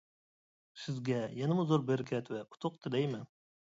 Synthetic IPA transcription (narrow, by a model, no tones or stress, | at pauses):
sɪzɡʲɛjɛnɪmuzoɾbeɾɪkʲʰɛt̪wɛʔu̥t̪ʰʊq̚t̪ʰɨd̪ɛjmɛn